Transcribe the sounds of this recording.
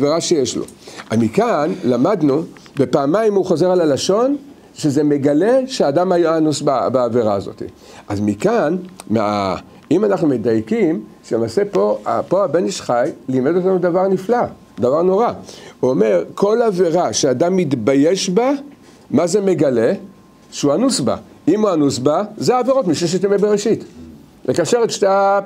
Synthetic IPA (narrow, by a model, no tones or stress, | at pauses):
aveʁaʃejeʃlo̰ | ʔamikanlamad̪nu | be̞paːmajmuχo̞ze̞ʁalalaʃo̞n | ʃeze̞me̞ɡale̞ʃeadamajaanusbabaːveʁaːzo̞̰t̪ḭ | ʔazmikanma̰ | imanaχnume̞dajkimʃelemaːse̞pa̰po̞abe̞niʃχajlime̞do̞t̪anud̪avaʁnifla | d̪avaʁno̞ʁaome̞ʁkʰo̞laveʁaʃeadamːitbajeʃba | mazeme̞ɡale̞ | ʃeuanusba̰imuanusbazeaːveʁo̞t̪miʃeʃet̪̬emebeʁeʃit | lekaʃeʁetʃta